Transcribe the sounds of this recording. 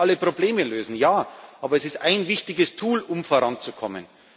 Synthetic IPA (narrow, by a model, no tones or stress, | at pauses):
aləpʁ̥obleːməløːzn̩jaːʔaːbɐɛsɪstʔaɪnvɪçtɪɡəstʰuːlʊmfoɐʁant͡sukʰɔmə̰n